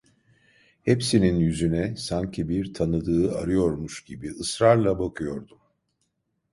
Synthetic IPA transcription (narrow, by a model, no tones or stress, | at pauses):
hɛpsininjyzynɛsaɲcʰibiɾt̪ʰanɯd̪ɯːa̰ɾɯjo̞ɾmuʃɟibiɯsɾaɾlˠabakʰɯjo̞ɾd̪um